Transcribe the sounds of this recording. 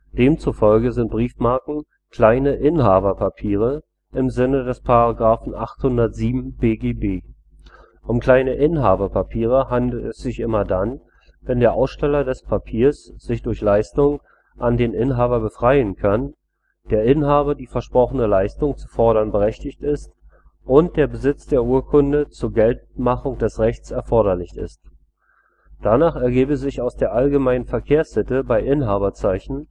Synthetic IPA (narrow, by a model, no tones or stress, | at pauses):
d̥eːmt͡sufɔlɡəzɪnt̚b̥ʁiːfmaɐkŋ̩ | kl̥aɪnəʔɪnɦaːbɐpʰapʰiːʁ̞ə | ʔɪmzɪnədɛspʰaʁaɡʁaːfn̩ʔa̰χthʊndɐtz̥iːbm̩beːɡeːbeː | ʔʊmkl̥aɪnəʔɪnɦaːbɐpʰapʰiːʁ̞əɦandl̩tɛsz̥ɪçʔɪmɐdan | vɛndeːɐʔaʊsʃtɛlɐdɛspʰapʰiːɐsz̥ɪçd̥ʊɐçlaɪstʊŋ | ʔandeːnʔɪnɦaːbɐbəfʁ̥aɪənkʰan | d̥eːɐʔɪnɦaːbɐdiːfɛɐʃpʁ̥ɔχənəlaɪstʊŋt͡sufɔɐɾɐnbəʁɛçtɪçtɪst | ʔʊnt̚d̥eːɐbəzɪt͡sd̥eːɐʔuːɐkʰʊndət͡suːɐɡɛlt̚maχʊŋd̥ɛsʁɛçt͡sɛɐfɔɐɾɐlɪçɪ̰st | d̥anaːχɛɐɡeːbəzɪçaʊsd̥eːɐʔalɡəmaɪnənfɛɐkʰeːɐshɪtəbaɪʔɪnɦaːβɐt͡saɪçn̩